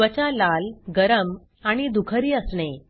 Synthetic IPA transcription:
ət͡ɕalalɡəɾəm | aɽ̃id̪ukʰəɾiːəsɳe

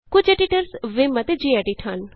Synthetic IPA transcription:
kʊt͡ʃeʈiʈəɾsʋɪmɐt̪ed͡ʒiɛɖiʈʰan

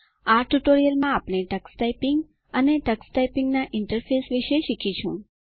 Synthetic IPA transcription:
aʈuʈoɾijəlmãapɽ̃eʈəksʈajpɪŋɡ | əneʈəksʈaipiŋɡnaʔɪɳʈəɾfesʋiʃeʃikʰit͡ʃʰũ

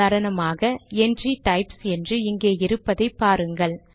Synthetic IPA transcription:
aːɾɐɳɐmaːɣɐɛndriʈɐɪpsɛndrɯɪŋɡeːɪɾɯpːɐðɐɪpːaːɾɯŋɡɐɭ

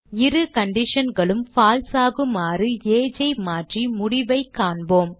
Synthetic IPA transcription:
ɪɾɯkɐɳɖɪʂɐnɡɐɭɯmfaːlsaːɣɯmaːrɯeːd͡ʒɐɪmaːʈrimʊɽɪʋɐɪkːaːɳboːm

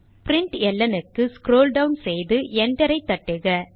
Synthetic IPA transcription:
pɪɾɪɳʈɛlːɐnɯkːɯskɾoːlɖɐwnsɛjðɯɛɳd̪ɛɾɐɪt̪ːɐʈːɯɣɐ

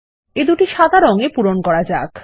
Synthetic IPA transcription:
ed̪uʈiʃad̪ʱaɾoŋepuɾonkɔɾad͡ʑa̰k

